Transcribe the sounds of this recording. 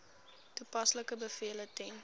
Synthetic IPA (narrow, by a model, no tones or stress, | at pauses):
tupɐsləkəbəfiələtɛn